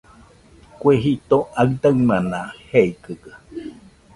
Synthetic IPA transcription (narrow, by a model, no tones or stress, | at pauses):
kweɦit̪oaɨd̪aɨmanaheikɯkə